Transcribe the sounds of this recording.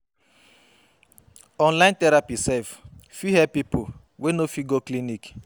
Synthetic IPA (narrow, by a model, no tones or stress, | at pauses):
ɔ̃nlãɪ̃ntɛɾapisɛlffihɛpipʰo | wenofiɡoklinik